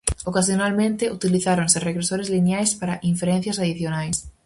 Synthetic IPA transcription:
okasjonalmẽnt̪ɪut̪iliθaɾonsɪreɣɾesoɾezlinjajspaɾaʔiɱfeɾen̟θjɐsaðiθjonajs

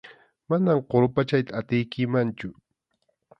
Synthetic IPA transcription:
manamqoɾʊpat͡ʃajt̪aːt̪ɪjkɪmant͡ʃʊ

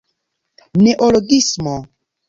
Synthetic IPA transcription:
neʔoloɡismo

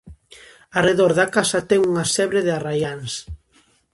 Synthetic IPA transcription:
areðoɾðakasɐt̪ɛŋuŋasɛβɾeðearajans

